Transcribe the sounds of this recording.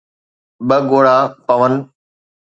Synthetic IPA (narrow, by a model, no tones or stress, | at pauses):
ɓəɡoːɽaːpəʋən